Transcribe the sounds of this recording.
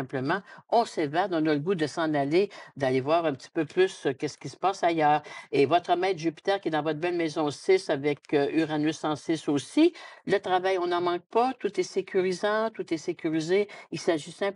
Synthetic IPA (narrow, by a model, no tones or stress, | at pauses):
ɛ̃pləmɑ̃ɔ̃sɛvad̪ɔ̃nɔləɡud̪əsɑ̃naled̪alevwaːʁɛ̃ptt͡si̥pøplyskʲɛskʲisə̥paːsajœːʁevɔt̪ʁəmɛːt̪ʒypi̥t̪ɛːʁkʲjed̪ɑ̃vɔt̪bɛlmɛzɔ̃sɪsavɛkyʁanøsɑ̃sɪsosilət̪ʁavajɔ̃nɑ̃mɑ̃k̚pat̪ut̪ɛsekʲʰyʁizɑ̃t̪ut̪ɛsekʲyʁizeilsaʒisɛ̃p